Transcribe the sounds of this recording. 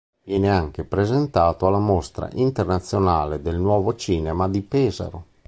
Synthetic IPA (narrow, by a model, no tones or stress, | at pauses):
vjɛːneaŋk̟epɾezent̪aːt̪oalːamost̪ɾa̰ʔint̪ernat̪sːjonaːled̪elnwɔːvot͡ʃiːnemad̪ipɛːza̰ɾo